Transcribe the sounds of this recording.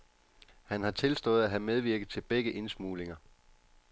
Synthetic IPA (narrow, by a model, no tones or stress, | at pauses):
hænhɑ̈t͡sʰe̝lsd̥ɔ̽ːð̞̩ˠæɦæmeð̞ˠʋiɐɡ̥ð̩ˠt͡sʰe̝lb̥eɡ̥əʔe̝nsmuːle̝ŋɐ